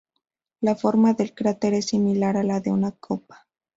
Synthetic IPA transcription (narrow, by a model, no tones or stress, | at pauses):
lafo̞ɾmaðe̞lkɾat̪eɾe̞sːimilaɾalaðeunakʰopḁ